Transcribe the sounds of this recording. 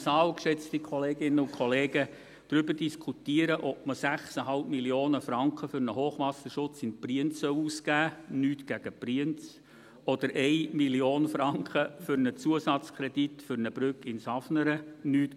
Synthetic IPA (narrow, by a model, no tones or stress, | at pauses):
sɑːwkʃɛt͡stikʰχɔleːɡ̥ɪnəʊkʰɔleːɡə | d̥ɾʏbəɾd̥iskʰutiəɾəʔɔp̚məsæχsəɦɑlp̚miljoːnəfɾɑŋkχəfʏɾnəhoːχʋɑsəʃʊt͡sɪnpriənt͡sːœwuːskæːnyːtɡ̥æɡ̥əpriənt͡s | ɔd̥̪əɾʔɛɪmilioːnfɾɑŋkχəfʏɾnət͡suəsɑt͡skʰɾɛd̥itfʏɾnəbɾʏkːɪnsɑfnəɾənyːt